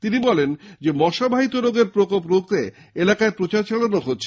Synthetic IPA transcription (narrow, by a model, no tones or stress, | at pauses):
t̪inibɔlend͡ʑemɔʃabʱaɦit̪oɾoɡeɾpɾokop̬ɾok̚t̪e | elakaepɾot͡ɕaɾt͡ɕaɭonoɦot̪ːɕʰe